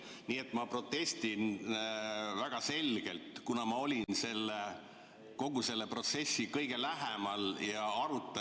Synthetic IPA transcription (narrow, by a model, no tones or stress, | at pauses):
niːe̞t̪ːˑmɑpro̞t̪ːe̞st̪in | væɡ̥ɑse̞lʲɡ̥e̞̰lt̪kunɑmɑo̞lʲinse̞lːe | ko̞ɡ̥use̞lːe̞pro̞t̪se̞sːikɤjɡ̥e̞læɦemɑljɑɑɾut̪ːˑɑ